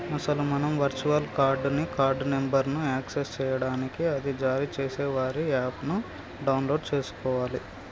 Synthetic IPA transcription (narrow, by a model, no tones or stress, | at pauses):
ɐsɐlumɐnɐmʋɐɾt͡ʃuɐlkaːɾɖnikaːɾɖnembɐɾnuaːksest͡ʃɛːjɐɽaːnikiɐd̪id͡ʒaːɾit͡ʃe̞ːseːʋaːɾiaːpnu | ɖɐwnloːɖt͡ʃe̞ːsu̥kɔːʋaːli